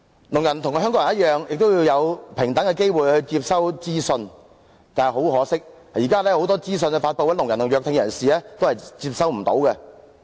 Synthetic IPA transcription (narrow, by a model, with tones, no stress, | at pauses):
nʊ˨˩ŋjɐ˨˩nt̪ʰʊ˨˩ŋ˧ɦœː˥kɔ˨˥ŋ˨˩jɐ˥t̚jœː˨ŋjɪ˨k̚t̪o˥wji˧wjɐ˨˧wpʰɪ˨˩ŋt̪ɐ˨˥ŋkɛ˧ke˥jwuː˨jhɵ˧t͡siː˧p̚sɐ˥wt͡siː˥sɵ˧n | t̪aː˨n˨ɦo˨˥whɔː˨˥sɪ˥k̚ | jiː˨˩kaː˥lɛː˥ho˧˥wt̪ɔː˥t͡siː˥s̬ɵ˧nkɛ˧faː˧t̚pɐ˨˧wɐ˨˥nlʊ˨˩ŋjɐ˨˩nt̪ʰŋjœː˧k̚t̪ʰɪ˧ŋjɐ˨˩nsiː˨lɛː˥t̪o˥whɐ˨jt͡siː˧p̚sɐ˥wm̩˨˩t̪o˨˧˥wkɛ˧